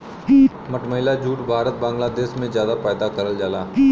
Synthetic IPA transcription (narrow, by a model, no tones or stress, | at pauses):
mɐʈməɦɪlad͡ʒuːʈbʱaːɾət̪̚bãːŋɡlaːd̪eːʃmẽzjaːd̪apaːd̪akɐɾəld͡ʒaːlaː